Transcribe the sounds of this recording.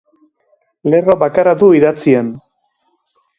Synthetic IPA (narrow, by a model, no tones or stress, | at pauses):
le̞ro̞βakaɾaðuiðat͡sien